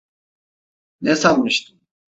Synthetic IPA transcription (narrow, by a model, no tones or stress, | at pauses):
nɛsalˠmɯʃt̪ʰɯm